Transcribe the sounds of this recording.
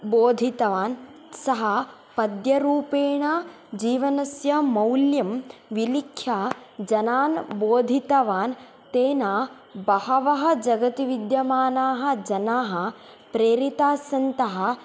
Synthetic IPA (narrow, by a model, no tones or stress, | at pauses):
boːd̪ʱit̪ɐʋaːn | sɐɦɐ | pɐd̪jɐɾuːpeːɳaː | d͡ʒiːʋɐnɐsjɐmɐwljɐmʋilikʰjaːd͡ʒɐnaːnboːd̪ʱit̪ɐʋaːn | t̪eːnaː | bɐɦɐʋɐɦɐ̆d͡ʒɐɡɐt̪iʋid̪jɐmaːnaːɦɐ̆d͡ʒɐnaːɦɐ̆ | pɾeːɾit̪aːsɐnt̪ɐɦɐ̆